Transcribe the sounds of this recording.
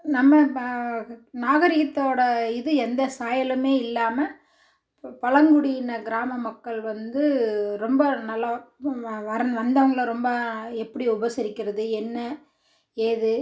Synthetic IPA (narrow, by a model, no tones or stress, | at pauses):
nɐmːɐ | naːɣɐɾɪɣɐt̪ːoːɽɐɪðɯɛnd̪ɐsaːjɐlɐmeːɪlːaːmɐ | pɐlɐŋɡʊɽɪjɪnɐɡɪɾaːmɐmɐkːɐɭʋɐnd̪ɯɾɔmbɐnɐlːa | ʋɐɾɐʋɐnd̪ɐʋɐŋɡɐɭɐɾɔmbɐɛpːɐɽiʊbɐsɪɾɪkːɪɾɐðɯɛnːɐ | eːðɯ